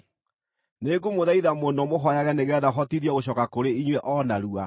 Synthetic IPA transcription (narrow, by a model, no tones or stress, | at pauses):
neɡumoðaiðamondɔmoɦɔjaɣɛneɣɛːðaɦɔtiðjɔɣoɕ̬ɔkakoɾeiɲwɛʔɔnaɾua